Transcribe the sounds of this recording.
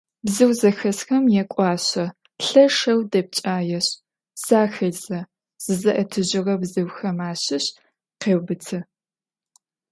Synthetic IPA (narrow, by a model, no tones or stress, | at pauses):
bzɨwzɐxɐsxɐmjɛkʷʼɑːɕɐ | ɬɐʃɐwdɐp̚t͡ʃʼaːjɛɕ | saːxɐzɐ | z̥ɨzɐʔɐtʰɨʑɪʁɐbzɨwxɐmaːɕɪɕ | qeːwbɨtʰɐ